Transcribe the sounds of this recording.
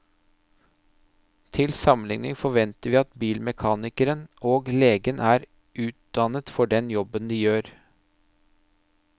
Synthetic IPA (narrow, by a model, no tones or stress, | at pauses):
t̪ʰɪlsɑmənlɪŋnɪ̰ŋfɔʋɛnt̪əɾʋiːɑt̪biːlmɛkʰɑːnɪkəɾənʔoːɡleːɡənʔæːɾ | ʔʉːt̪̚d̪ɑnət̪fɔɖɛnjɔbənd̪iːjøːɾ